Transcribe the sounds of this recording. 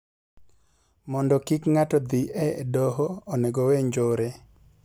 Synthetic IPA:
mɔndɔkikŋatɔd̪iʔɛdɔɦoːneɡɔweɲd͡ʒoɾe

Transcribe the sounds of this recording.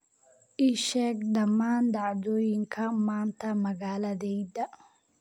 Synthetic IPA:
ʔɪʃɛːɡɖɐmːaːnɖɑʕðɔːjɪŋkʰɐmaːnt̪ʰɐmɐɣaːlɐðɛjdɐ

